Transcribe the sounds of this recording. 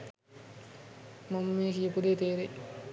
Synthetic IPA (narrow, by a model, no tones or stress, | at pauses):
momːeːkijɐpud̪eːt̪eːɾe